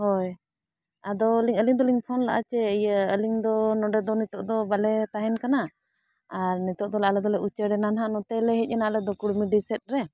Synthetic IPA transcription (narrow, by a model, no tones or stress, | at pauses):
hɔj | ad̪ɔliŋəliŋd̪ɔliŋpʰɔnla̰ʔa̰t͡ʃɛjəəliŋd̪ɔnɔɖɛd̪ɔnit̪ɔʔd̪ɔbalɛt̪aɦɛnkana | aɾnit̪ɔʔd̪ɔlaʔlɛd̪ɔlɛʔut͡ʃəɽɛnanɦanɔt̪ɛlɛɦɛc̚ˀɛnalɛd̪ɔkuɽmiɖisɛt̪̚ɾɛ